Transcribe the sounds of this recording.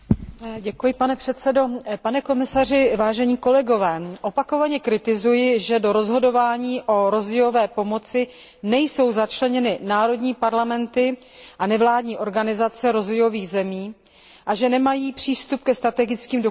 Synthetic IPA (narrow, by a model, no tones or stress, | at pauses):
ɟɛkujɪpanɛpr̥ɛt̪sɛdo̞panɛko̞mɪsarɪvaːʒɛɲiːko̞lɛɡo̞vɛːʔo̞pako̞vaɲɛkɾɪt̪ɪzujɪʒɛdo̞ɾo̞zɦo̞do̞vaːɲiːʔo̞ɾo̞zvɛjo̞vɛːpo̞mo̞t͡sɪ | nɛjso̞wzat͡ʃlɛɲɛnɪnaːɾo̞dɲiːpaɾlamɛnt̪ɪ | ʔanɛvlaːdɲiːʔo̞ɾɡanɪzat͡sɛɾo̞zvɛjo̞viːɣzɛmiː | ʔaʒɛnɛmajiːpr̥iːst̪up̚kɛst̪ɾat̪ɛɡɪt͡skiːmdo